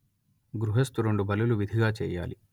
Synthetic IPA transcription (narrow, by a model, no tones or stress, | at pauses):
ɡɾuɦest̪uɾoɳɖubɐlːuluʋid̪ʱiɡaːt͡ʃɛːja̰ːli